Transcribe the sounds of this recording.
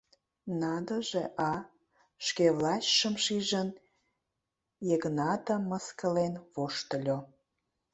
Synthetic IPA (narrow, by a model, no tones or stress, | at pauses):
nɑd̪ə̆ʒeʔɑ | ʃkeβlɑt͡ɕʃəmʃiʒən | jəɣnɑt̪ə̆mːəskəlenβoʃt̪ə̆lʲo